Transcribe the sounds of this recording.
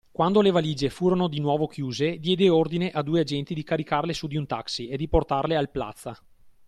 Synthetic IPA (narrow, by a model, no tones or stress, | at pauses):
kwand̪olevaliːd͡ʒefuːɾonod̪inwɔːvokjuːzed̪jɛːd̪eord̪ineʔad̪uːead͡ʒɛnt̪id̪ikaɾikarlesud̪iunt̪aksied̪iport̪arlealpla̰t̪sːa